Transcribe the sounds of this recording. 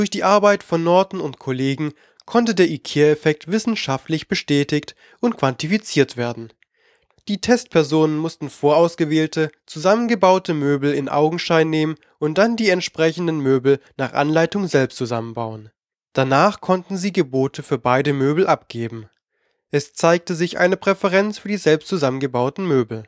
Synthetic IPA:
d̥ʊɐçd̥iːʔaɐbaɪtfɔnːɔɐtn̩ʊntkʰoleːɡŋ̩ | kʰɔntədeːɐʔikʰeːɐɛfɛk̚tv̥ɪsn̩ʃaftlɪçb̥əʃtɛːtɪçt | ʔʊntkv̥antifit͡siːɐtv̥eːɐdn̩ | d̥iːtʰɛst̚pʰɛɐzoːnənmʊstn̩foːɐʔaʊsɡ̥əveːltʰət͡suzamənɡəbaʊtəmøːbl̩ɪnʔa̰ʊɡŋ̩ʃaɪnːeːmən | ʔʊnt̚d̥andiːɛntʃpʁ̥ɛçn̩dənmøːbl̩naːχʔa̰nlaɪtʊŋzɛlpstt͡suzamənbaʊən | d̥anaːχkʰɔntn̩ziːɡəboːtʰəfyːɐbaɪdəmøːbl̩ʔap̚ɡ̥eːbm̩ | ʔɛst͡saɪk̚təzɪçʔa̰ɪnəpʁ̥ɛfɛʁɛnt͡sfyːɐdiːzɛlpstt͡suzamənɡəbaʊtn̩møːbl̩

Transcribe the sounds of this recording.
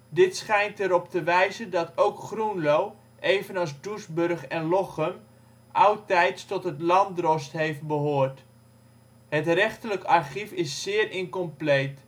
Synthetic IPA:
dɪtsχɛjntəɾɔp̚təʋɛjzəndɑtowkχrunlow | ʔejvənɑlˠsdursbɵrχɛnlɔχəm | ʔawtɛjtstɔtɦətlɑndrɔstɦejft̚bəɦoːrt | hətrɛχtələkɑrχifɪsːɪːrɪnkɔmplejt

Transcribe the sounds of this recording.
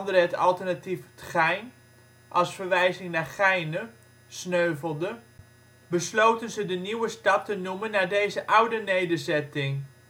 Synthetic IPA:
ndərəɦətɑlˠtərnatiftχɛjn | ʔɑlˠsfəɹʋɛjzɪŋnaːɹχɛjnə | snøɥvəlˠdə | bəslowtənzədəniwəstɑp̚tənumənːaːɹdejzəʔʌwdənejdəɹzɛtɪŋ

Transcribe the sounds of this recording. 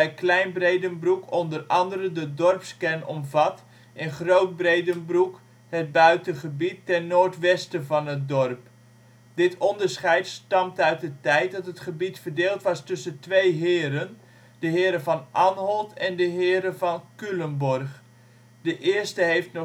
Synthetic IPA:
ɛjklɛjnbrejdənbrukʰɔndərɑndəɾəndədɔrpskɛnɔ̰mvɑt | ɛnχrowt̚brejdənbruk | həd̚bœɥtəχəbitːɛnnoːɹtʋɛstəvɑnɦət̚dɔrp | dɪtʰɔndəɹsχɛjtstɑmtœɥt̚dətɛjt̚dɑtɦətχəbitfərdeːlˠtʋɑstɵsəntʋejɦɪːɾən | d̥əɦɪːɾəvɑnʔɑnɦɔlˠtɛndəɦɪːɾəvɑnkylənbɔrχ | d̥əʔɪːəstəɦejftnɔ

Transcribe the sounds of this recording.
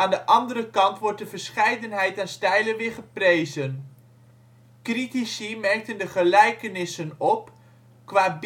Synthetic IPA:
aːndəʔɑndəɾəkɑntʋɔɹt̚dəvəɹsχɛjdənɦɛjtaːnstɛjlənʋɪːɹχəprejzən | kritisimɛɹk̚təndəχəlɛjkənɪsənɔp̚ | kʋaːb

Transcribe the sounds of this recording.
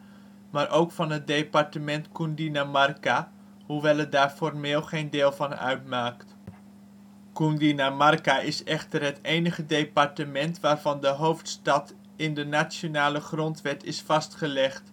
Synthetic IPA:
maːɾʔowkfɑnɦət̚dejpɑɹtəmɛntkundinamɑrka | huʋɛlˠədaːɹfɔrmeːlˠχejndɪːlˠvɑnœ̰ɥtmaːkt | kundinamɑrkaʔɪsɛχtərɦətejnəχədejpɑɹtəmɛntʋaːrvɑndəɦowftstɑt | ɪndənat͡ʃjonaːləχrɔntʋɛtɪsfɑstχəlɛχt

